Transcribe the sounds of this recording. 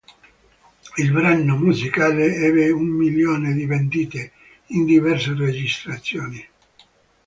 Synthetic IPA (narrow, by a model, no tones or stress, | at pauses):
ilbɾanːomuzikaːleɛːbeumːiljoːned̪ivend̪iːt̪e | ind̪ivɛrsered͡ʒist̪ɾat̪sːjɔːni